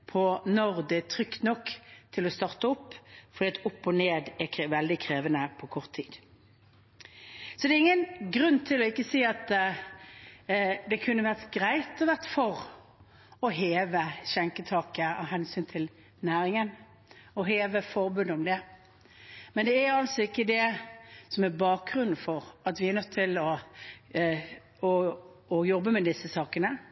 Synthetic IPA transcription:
pʰɔnɔʁd̪ɛt̪ʰʁʏkt̪nɔkːt̪ʰɪlɔst̪ɑʁt̪əɔpːfɔɾd̪iːɑt̪ʊpːɔneːd̪ɛʋɛld̪ɪkʰʁeːʋənəpʰɔkʰɔʁt̪ʰːiːd̪̥ | sɔd̪ɛːʁɪŋːənɡʁʉnːt̪ʰɪlɔɪkːəsiːɑt̪ | d̪ɛkʰʉnːəʋæʁt̪ɡʁæɪt̪ɔʋæʁt̪fɔʁ | ɔɦeːʋəɕɛŋkət̪ʰɑːkəɑ̰ɦɛnsyːnt̪ʰɪl | næːɾɪŋən | ɔɦeːʋəfɔɾbʉnd̪əɔmd̪ɛ | mɛnd̪ɛæɑlsɔɪkːəd̪ɛsɔmæɾbɑːk̚ʁʉnn̩fɔɾɑt̪ʋɪæɾnœt̪ʰːɪlɔ | ɔɔjɔbːəmɛd̪ɪsːəsɑːkənə

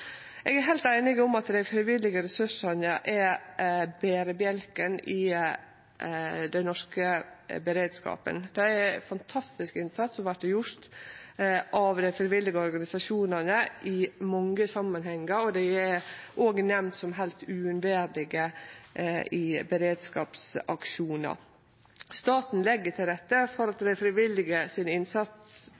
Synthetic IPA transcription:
ɛːɡæɦæɪlt̪æɪnɪɡɔmɑt̪d̪æɪfɾɪʋɪlːɪɡəɾɛsʉʂɑnəʔæ | beːɾəbjɛlkənɪ | d̪ɛnnɔʂkəbəɾeːd̪skɑ̰ːpə̰nd̪̥ɛæfɑnt̪ʰɑst̪ɪskɪnsɑt̪sɔʋæʈːəjʊɾt̪ | ʔɑʋd̪æɪfɾɪʋɪlːɪɡəɔɾɡɑnɪsɑʂuːnɑnəʔɪmɔŋːəsɑmːənhɛŋːəɾɔd̪ɛæɾʔoːɡənɛmnt̪sɔmɦɛlst̪ʉːʉnʋæːɾlɪɡə | ɪbəɾeːd̪skɑ̰ːpsɑkʃuːnə̰ | st̪ɑːt̪n̩lɛɡːəʈʰɪlɾɛt̪ːəfɔɾɑt̪d̪ɛfɾɪʋɪlːɪɡəsɪnɪnsɑt̪ss

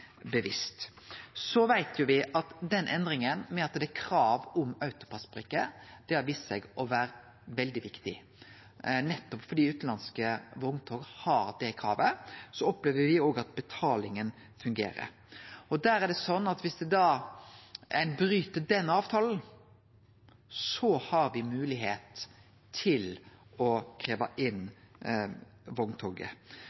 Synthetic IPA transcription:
bəʋɪst̪ | sɔʋæɪt̪ʰjʊʋɪʔɑt̪d̪ɛnʔɛnd̪ɾɪŋənmɛɑt̪d̪ɛækʰɾɑːʋʊmœʉt̪ʊ̥pʰɑsbɾikːəd̪̥ɛɑʋiːssɛɡɔʋæːɾə | ʋɛld̪ɪʋɪkt̪ɪ̰ | nɛt̪ːɔpfɔɖiːʉːt̪n̩lɑnskəʋɔŋt̪ʰoːɡəhɑɾd̪ɛkʰɾɑ̰ːʋəsɔɔpleːʋəʋɪoːɡɑt̪̚bɛt̪ʰɑːlɪŋən | fʉŋɡḛːɾə̰ɾ | ɔd̪æːɾæɖɛsɔnːɑt̪ʋɪsd̪ɛd̪ɑː | ʔɛnbɾyːt̪əd̪ɛnːɑːʋt̪ʰɑːln̩ | sɔhɑɾʋɪmʉːlɪɦeːt̪ʰː | ɪlɔkʰɾeːʋɑʔɪn | ʋɔŋt̪ʰoːɡə̰

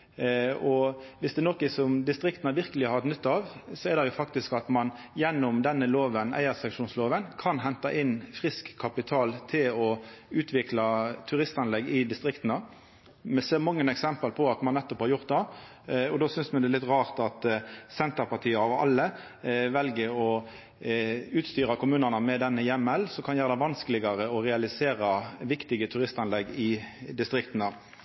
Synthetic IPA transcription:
ɔʋɪsd̪ɛnokəsɔmd̪ɪst̪ɾɪkt̪nəʋɪɾkəlɪhɑɾɛt̪nʏt̪ːɑʋsɔɛɾd̪ɛjʊfɑk̚t̪ɪskɑt̪mɑn | jɛnːɔmd̪ɛnːəloːʋənæ̰ɪəsɛŋʂuːnsloːʋənkʰɑnɦɛnt̪ɑʔɪnfʁɪskʰːɑpɪt̪ʰɑːlt̪ʰɪlɔʉːt̪ʰʋɪklɑt̪ʰʉɾɪst̪ɑnlɛɡːɪd̪ɪst̪ʁɪkt̪nə | mɛseːʁmɑŋːənɛksɛmpəlpʰɔɑt̪mɑnnɛt̪ːɔphɑɾjʊʁt̪̚d̪ɛ | ɔd̪oːsʏnsmɛnd̪ɛlɪt̪ʁɑːʁt̪ɑt̪sɛnt̪əʁpɑʁt̪ʰiːəɑʋɑ̰lːə | ʋɛlɡəɾɔ | ʉːt̪st̪yːɾɑkʊmʉːnənəmɛd̪ɛnːəjɛmːəlsɔmkʰɑnjæːʁəd̪ɛɪʋɑnskəlɪɡɑɾəɔʁɛɑlɪseːɾɑʋɪkt̪ɪɡət̪ʰʉɾɪst̪ɑnlɛɡːɪd̪ɪst̪ʁɪkt̪nə

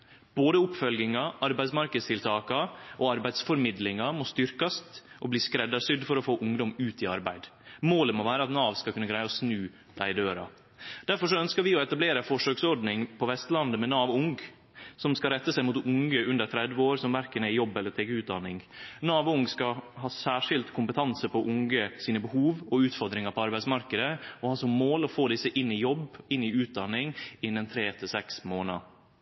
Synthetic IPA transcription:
b̥oːd̪əʊpfœlɡɪŋɑʔɑɾbæɪsmɑɾkəd̪st̪ɪlt̪ʰɑːkɑʔoːɑɾbæɪd̪sfɔɾmɪd̪lɪŋɑmɔst̪ʏɾkɑst̪ʔɔbliːskɾɛd̪ːɑɾsʏd̪fɔɾɔfoːʔʊŋd̪ɔmʉːt̪ɪɑɾbæɪd̪moːləmɔʋæːɾəɑt̪nɑːʋskɑlkʉnːəɡɾæɪɑɔsnʉː | d̪̥æɪɪd̪øːɾɑ̰ | d̪̥æɾfɔʂɔœnskəɾʋɪɔɛt̪ɑbleːɾəfɔʂøːksɔɾɖ̪nɪŋpʰɔʋɛst̪lɑnd̪əmɛnɑːʋʊŋɡ | sɔmskɑɾɛt̪ːəsæɪmʊt̪ʊŋɡəʉnd̪əɾt̪ʰɾɛd̪ʋəoːɾsɔmʋæɾkənæjɔbːɛlːəɾt̪ʰeːɡəʉːt̪̚d̪ɑnːɪŋnɑːʋʊŋɡskɑhɑːsæːʂɪlt̪kʰʊmpət̪ʰɑnsəpɔʔʊŋɡəsiːnəbəhuːʋɔʉːt̪fɔɾd̪ɾɪŋɑpʰɔɑɾbæɪtsmɑɾkəd̪əɔhɑːsɔmmoːlɔfoːd̪ɪsːəʔɪnːɪjɔbɪnːɪʉːt̪̚d̪ɑnːɪŋɪnːɛnt̪ʰɾeːt̪ʰɪsɛksmoːnɑ̰

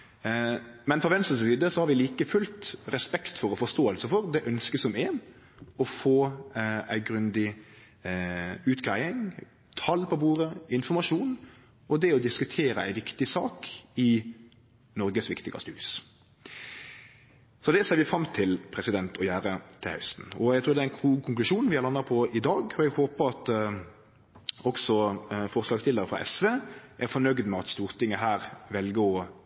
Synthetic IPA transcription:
mɛnfɾɔʋɛnst̪əssiːd̪əsɔhɑɾʋɪliːkəfʉlt̪ɾɛspɛkt̪fɔɾɔfɔst̪oːəlsəfɔɾd̪ɛʔœnskəsɔmeːn | ɔfoːæ̰ɪɡɾʉnd̪ɪ | ʉːt̪ɡʁæɪɪŋ | t̪ʰɑlpʰɔbuːɾəɪnfɔʁmɑʃuːn | ɔd̪ɛɔd̪ɪskʉt̪ʰeːɾəæ̰ɪʋɪkt̪ɪsɑːkɪ | nɔɾɡəsʋɪkt̪ɪɡɑ̰st̪ʉːs | sɔd̪ɛseːɾʋɪfɾɑmːt̪ʰɪlpʰɾɛsɪd̪ɛnt̪ʰɔjæːɾət̪ʰɪlɑ̰ʉst̪n̩ɔɛɡt̪ʰʉːɾd̪ɛæɛnkʰukʰʊŋklʉʃuːnnʋɪhɑʁlɑnːɑpʰɔɪd̪ɑːɡɔɛɡhoːpəɾɑt̪ | ɔksɔfɔʁslɑːɡst̪ɪlːəɾəfɾɑ̰ʔɛ̰sʋeːʔæɾfɔnœɡd̪mɛɑt̪st̪uːʁt̪ʰɪŋːəɦæːɾʋɛlɡəɾɔ

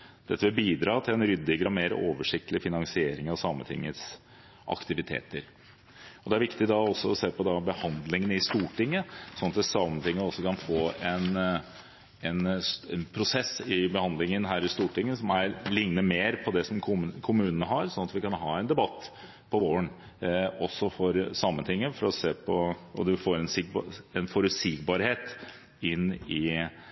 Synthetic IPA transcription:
d̪̥ɛt̪ːəʋɪlbiːd̪ɾɑːt̪ʰɪlɛnɾʏd̪ːɪɡɾɑmeːɾ̰oːʋəʂɪk̚t̪lɪfɪnɑŋsɪeːɾɪŋɑʋsɑːmənt̪ʰɪ̰ŋːət̪s | ʔɑ̰kt̪ɪʋɪt̪ʰḛːt̪əɾ | ɔd̪ɛæɾʋɪkt̪ɪd̪ɑɔsːɔɔseːpʰɔd̪ɑbəhɑnd̪lɪŋənɪst̪uːʈɪŋːəsɔnɑt̪ɛsɑmənt̪ɪŋːəɔsːɔkʰɑnfoːɛn | ɛnɛnpʰɾʊsɛsːɪbəhɑnd̪lɪŋənɦæːɾɪst̪uːʈɪŋːəsɔmæɾlɪŋnəmeːɾpʰɔd̪ɛsɔmkʰʊkʰʊmʉːnənəɦɑɾsɔnɑt̪ʋɪkɑnɦɑːɛnd̪ɛbɑt̪ː | pʰɔoːən | ɔsːɔfɔɾsɑmːənt̪ʰɪŋːəfɔɾɔseːpʰɔɔd̪ʉfoːɾɛnsɪɡ̚bɛnfɔɾʉt̪siːɡbɑːɾheːt̪ | ɪnːɪ

